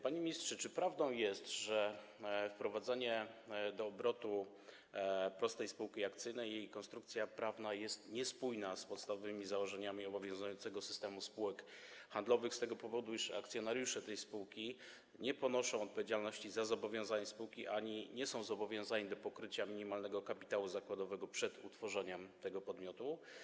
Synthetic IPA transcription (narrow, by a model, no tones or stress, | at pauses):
paɲemʲɲistʂɛt͡ʂɘpɾavd̪ɔ̃w̃jɛst̪ʐɛfpɾɔvad̪zaɲɛd̪ɔːbɾɔt̪u | pɾɔst̪ɛjspuwkʲiakt̪sɘjnɛjjejkɔnst̪ɾukt̪sʲjapɾavnajɛst̪ɲɛspujnaspɔt̪st̪avɔvɘmʲizawɔʐɛɲamʲiɔbɔvʲjɔ̃w̃zujɔ̃nt̪sɛɡɔsɘ̥st̪ɛmuspuwɛkxand̪lɔvɘxst̪ɛɡɔpɔvɔd̪uiʂa̰kt̪sʲjɔnaɾjuʂɛt̪ɛjspuwkʲi | ɲɛpɔnɔʂɔ̃w̃ɔt̪̚pɔvʲjed͡ʑalnɔɕt͡ɕizazɔbɔvʲjɔ̃zaɲɛspuwkʲiʔaɲiɲɛsɔ̃w̃zɔbɔvʲjɔ̃w̃zaɲid̪ɔpɔkɾɘt͡ɕamʲiɲimalnɛɡɔkapʲi̥t̪awuzakwad̪ɔvɛɡɔpʂɛt̪ut̪fɔʐɛɲɛmt̪ɛɡɔpɔd̪mʲjɔt̪u